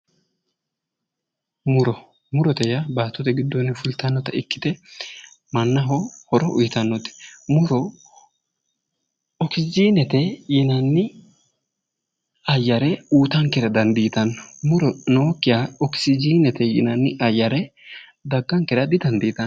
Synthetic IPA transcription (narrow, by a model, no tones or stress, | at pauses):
mʊɾɔ | mʊɾɔt̪ɛjɐbaːt̪ːɔt̪ɛɡɪd̪ːɔnːɪfʊlt̪ɐnːɔt̪ɐɪkːɪ̥t̪ɛ | mɐnːɐɦɔhɔɾɔʔʊ̰jt̪ɐnːɔt̪ɛ̥mʊɾɔ | ɔksɪd͡ʒiːnɛt̪ɛjɪnɐnːɪ | ɐjːɐɾɛuːt̪ɐŋkɛɾɐd̪ɐnd̪iːt̪ɐnːmʊɾɔnoːkːɪjaɔksɪd͡ʒiːnɛt̪ɛjɪ̰nɐnːɪʔɐjːɐɾɛ | d̪ɐɡːɐŋkɛɾɐd̪ɪd̪ɐnd̪iːt̪ɐn